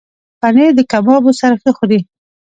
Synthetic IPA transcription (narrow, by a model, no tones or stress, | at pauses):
paned̪əkamɑbosaɾaxəxod̪i